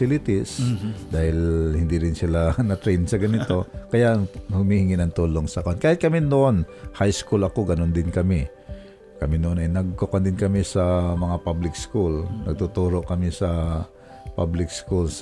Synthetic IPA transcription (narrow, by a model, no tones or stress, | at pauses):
ɪlɪt̪ɪsd̪aːhɪlhɪnd̪iɾɪnsɪlanɐt̪ɾɛjnsɐɡɐnɪt̪o̞kɐjaʔhʊmiːhɪŋɪnɐŋt̪uːloŋsɐkoʔonkaːhɪt̪̚kɐmɪnoʔonhajskulɐkoɡɐnond̪ɪnkɐmɪ | kɐmɪnoʔonɐjnɐɡ̚kokɐnd̪ɪnkɐmɪsɐmɐŋapablɪkskulnɐɡ̚t̪ʊt̪uːɾoʔkɐmɪsɐ | pa̰blɪk̚skuls